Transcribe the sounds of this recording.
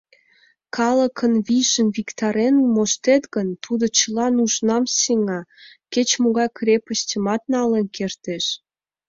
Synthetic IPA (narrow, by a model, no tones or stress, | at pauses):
kɑləkʰənβiʒənβikt̪ɑɾenmoʃt̪et̪ɣənt̪ʰud̪ot͡ɕəlɑnuʒnɑmsiŋɑket͡ɕmoɣɑjkrʲepəɕtʲəmɑt̪̚nɑlenkert̪eʃ